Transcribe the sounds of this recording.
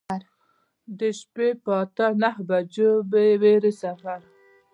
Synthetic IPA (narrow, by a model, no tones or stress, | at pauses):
ɾ | d̪əʃpepɑt̪anahbad͡ʒobeweɾesafaɾ